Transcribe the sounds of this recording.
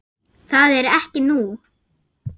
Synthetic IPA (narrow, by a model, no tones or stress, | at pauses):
θaðɛɾɛhcɪnu